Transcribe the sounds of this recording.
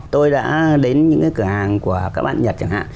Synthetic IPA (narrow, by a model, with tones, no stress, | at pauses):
t̪o˧jɗa̰ː˧˥ɗe˨˦nɲɨ̰˧˥ŋkaː˨˦jkɨ˧˩əʔaː˧˩ŋku˧˩əkaː˦˥k̚ɓa̰ː˧˨nɲə˨˩t͡ɕa˨˧˩ŋha̰ː˧˨